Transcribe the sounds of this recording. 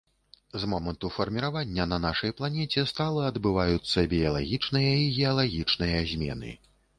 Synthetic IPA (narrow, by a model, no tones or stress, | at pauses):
zmɔmɐnt̪ufɐrmʲiɾavanʲːɐnɐnaʂɐjplˠanʲɛt͡sʲɛst̪alˠɐɐd̪bɨvajut̪sːɐbʲijɐlˠa̰ɣʲit͡ʂnɨjɐiɣʲɛɐlˠaɣʲit͡ʂnɨjɐzʲmʲɛ̰nɨ̰